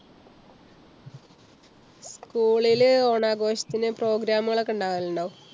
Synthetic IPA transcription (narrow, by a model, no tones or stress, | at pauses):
skuːɭiloːɳaːɡo̞ːɕɐ̥t̪ːinɨpro̞ːɡɾaːmuɣɐɭekːuɳɖaːiluɳɖo